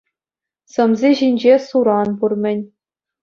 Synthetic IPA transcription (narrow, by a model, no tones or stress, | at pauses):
sɤ̆mzʲeʑinʲd͡ʑesuɾɑnburmʲɘ̆nʲ